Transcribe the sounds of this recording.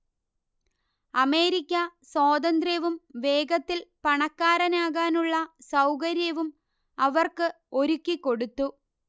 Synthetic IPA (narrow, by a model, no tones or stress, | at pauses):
ɐme̞ːɾikʲːɐsoːd̪ɐnd̪rɐʋumʋe̞ːɡɐt̪ːilpɐɳɐkːaːɾɐnaːɣaːnuɭːɐsɐwkɐɾjɐʋum | ɐʋɐrkɨ | o̞ɾukʲːikːo̞ɽut̪ːu